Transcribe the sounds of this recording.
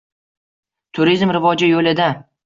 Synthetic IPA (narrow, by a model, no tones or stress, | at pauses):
t̪ʰʊɾizmɾɪvɒd͡ʒɪjolɪd̪a